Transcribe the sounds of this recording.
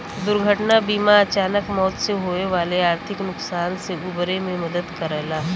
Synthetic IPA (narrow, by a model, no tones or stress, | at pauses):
d̪ʊɾɡʱəʈnabiːmaɐt͡ʃaːnəkmɔːt̪seɦoeʋaːleaːɾt̪ʰɪknʊksaːnseubɾemẽmɐd̪əd̪kɐɾɛɦlaː